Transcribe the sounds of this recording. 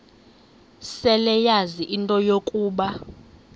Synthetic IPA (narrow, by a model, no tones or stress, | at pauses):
sɛlɛjaziʔintʼɔjokʼuːɓa